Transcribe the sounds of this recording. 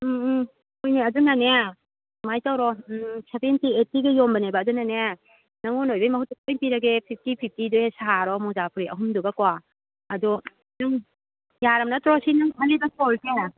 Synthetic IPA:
ojneɐdunanea | majtawɾɔsebentietːiɡijombɐnebaːdunanea | nɐŋɔnojbajmɐɦutuk̚enpiɾaɡepʰip̚ʰtipʰip̚ʰtiduhesaɦaɾɔmɔzapʰɾiʔɐ̰ɦumduɡakwa | ɐdu | nɯŋ | jaɾɐmnatɾɔsinɯŋkʰalibasolsʰe

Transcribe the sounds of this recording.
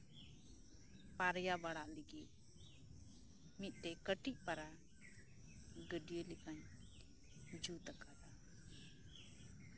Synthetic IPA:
paɾjabaɽaʔliɡɛʔ̚ | mit̪̚ˀt̪ɛkəʈic̚ˀpaɾa | ɡəɖijəlikaɲ | d͡ʒut̪akad̪a

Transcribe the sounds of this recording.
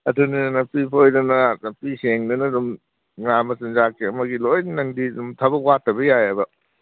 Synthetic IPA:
ɐtʰuninnɐpipʰojdɐnɐɐpiseŋnɐnɐdum | ŋamɐsɐnzakiɐmɐɡilojnnɐŋdidumtʰɐbɐkwatʰːɐbɐjajɐbɐ

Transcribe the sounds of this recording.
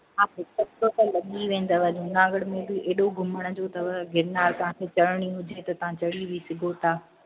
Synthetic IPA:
ãːɪkɐbsot̪ɐlɐɠiʋẽːn̆d̪əʋɐɲũnãːɡəɽmẽbɪeːɗoɡʱʊməɽ̃ə̆d͡ʑoːt̪ɐʋɐɡʱɪɾnaːɾt̪ɐɦãkʰet͡ɕɐɭɽ̃iɦʊd͡ʑʱet̪ɐt̪ɐʋ̤ãt͡ɕɐɽiʋisɪɡʱot̪ʰaː

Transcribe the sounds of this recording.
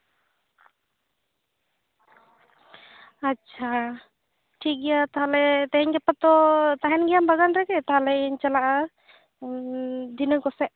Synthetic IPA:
aːt͡ʃʰa | ʈʰik̚ɡɛjat̪aɦalɛt̪ɛɦɛɲɡɛpat̪ɔt̪aɦɛnɡɛjambaɡanɾɛkɛt̪aɦalɛiɲt͡ʃalaʔa | d̪inəkɔsɛʔ

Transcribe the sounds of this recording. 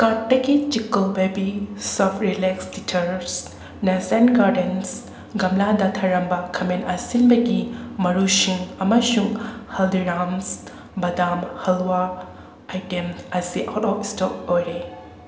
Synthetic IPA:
kaʈːɐɡit͡ʃikɐlbebisɔpʰɾilekstitʰɐɾs | nɐsenɡaɾdens | ɡɐmladɐtʰɐɾɐmbɐkʰɐmenɐsinbɐɡimɐɾusiŋɐmɐsuŋhɐldiɾams | bɐdamhɐlwaː | jtemɐsiʔawtɔpistɔk̚ojɾe

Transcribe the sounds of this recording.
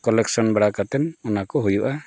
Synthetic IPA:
kɔlɛksɔnbaɽakat̪ɛnɔnakɔɦujuʔa

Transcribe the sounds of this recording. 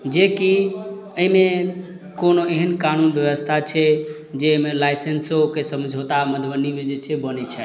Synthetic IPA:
d͡ʒeki | əime | konoeɦənkanunbjəʋəst̪ʰat͡ʃʰɛ | d͡ʒemelajsensokesəmd͡ʒʱot̪aməd̪ʱbənimed͡ʒet͡ʃʰɛbənɛt͡ʃʰɛ

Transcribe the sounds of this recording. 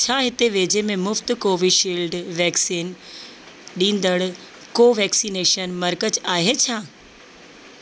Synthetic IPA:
t͡ɕʰaːɦɪt̪eʋeːd͡ʑemẽmʊft̪koːʋiɖʃiːlɖʋɛːksiːn | ɗĩːn̆d̪əɽ | koːʋɛːksiːneːʃənmɐɾkət͡ɕaːɦet͡ɕʰaː

